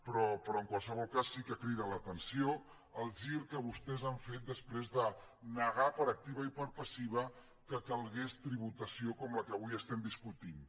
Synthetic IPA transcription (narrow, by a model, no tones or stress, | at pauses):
pɾɔpɾɔəŋkwalˠsəβ̞ɔlˠkasːikəkɾið̞ələt̪ənsio | əlˠʒiɾkəβust̪ɛzaɱfet̪̚d̪əspɾezðə | nəɣ̞apəɾək̚t̪iβəipəɾpəsiβ̞ə | kəkəlˠɣest̪ɾiβut̪əsiokɔmləkəβujəst̪ɛmd̪iskut̪in